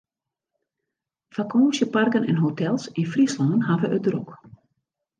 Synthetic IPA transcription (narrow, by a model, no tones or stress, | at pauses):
fakʰɔːsjəparkənɛ̰nɦotʰɛlˠsinfrislɔndənɦavəʔədrok